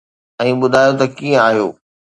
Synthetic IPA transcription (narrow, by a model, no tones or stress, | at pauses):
ɛ̃ːɓʊd̪ʱaːjot̪ɐkiːə̃aːɦijo̰ː